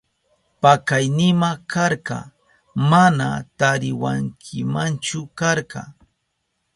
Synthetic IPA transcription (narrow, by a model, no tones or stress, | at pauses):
pakajnɪmakaɾɢɑ̰ | mana̰t̪aɾɪwaŋkʰɪmant͡ʃʊkaɾɢɑ̰